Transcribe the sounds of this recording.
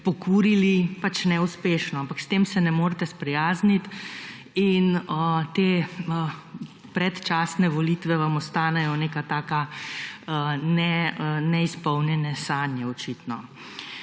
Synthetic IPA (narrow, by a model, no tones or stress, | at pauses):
pɔkuːɾilipat͡ʃnɛuspeːʃnɔampakst̪emsɛnɛmoːɾt̪ɛspɾɛjaːznit̪ | inət̪eːə | pɾɛt̪t͡ʃaːsnɛʋɔliːt̪ʋɛʋamɔst̪aːnɛjɔnekat̪aːka | nɛnɛispɔwnjɛnɛsaːnjɛɔt͡ʃit̪nɔ